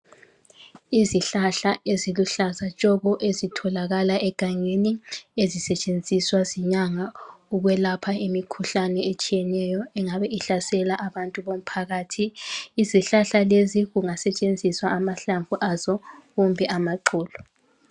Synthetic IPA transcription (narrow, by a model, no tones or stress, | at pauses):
iziɬaɬaeziluɬazat͡ʃʼɔɣɔʔezitʰɔlaɣalaʔɛɡ̥ʱaŋeniezisɛt͡ʃʼend͡zʱiswaziɲaŋauɣwɛlapʰaimikʰuɬanɛet͡ʃʼijɛnɛjɔɛŋaβɛʔiɬasɛlaʔaβantʼuβom̩pʰaɣaːtʰiːziɬaɬaleziɣuŋasɛt͡ʃʼend͡zʱiswaːmaɬaɱvʱuʔazɔɣumbʱɛʔamaǃuːlɔ